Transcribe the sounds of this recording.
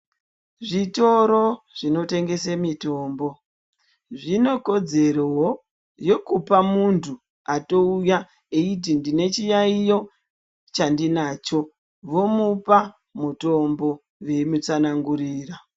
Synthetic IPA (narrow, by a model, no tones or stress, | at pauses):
ʐito̞ɾo̞ | ʐino̞te̞ŋɡe̞semito̞ːmbo̞ | ʐino̞ko̞d͡ze̞ɾowo | jo̞kupamuntʰu | ato̞uja | eit̬indine̞t͡ʃijaijo̞ | t͡ʃandinaːt͡ʃo̞ | ʋo̞mupa | muto̞mbo̞ | ʋe̞mut͡sanaŋɡuɾiːra